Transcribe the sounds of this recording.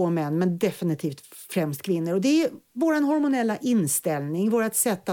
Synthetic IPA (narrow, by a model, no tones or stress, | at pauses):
oːmɛnːmɛnd̪ɛfɪnɪt̪ʰiːft̪fɾɛmst̪kʰvɪnːəɾɔd̪ɛvoːɾanɦɔɾmʊnɛlːaʔɪnːst̪ɛlnɪŋvoːɾat̪sɛt̪ːa